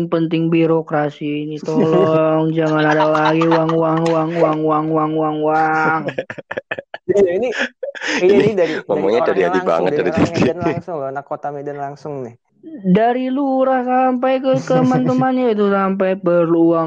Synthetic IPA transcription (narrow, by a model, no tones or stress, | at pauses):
ŋpənt̪ɪŋbiɾokɾasiinit̪olɔŋd͡ʒaŋanadalaɡiwaŋuwaŋwaŋwaŋwaŋwaŋuwaŋwaŋ | jaini | iiidaiŋɔmɔɲat͡ʃadiad̪iba̰ŋət̪̚daɾit̪at̪inŋsʊŋnakːot̪amedənlaŋsʊŋnɪh | daɾiluɾahsampajkəkəmant̪əmanɲait̪̬usamp̬ajpərlua